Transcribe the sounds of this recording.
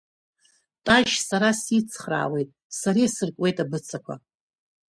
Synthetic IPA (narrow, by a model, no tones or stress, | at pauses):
tʼaʒsaɾasit͡sʰχra̰ːwe̞jtʼ | saɾisɨrkʼwe̞jtʼabɨt͡sʰakʷʰa̰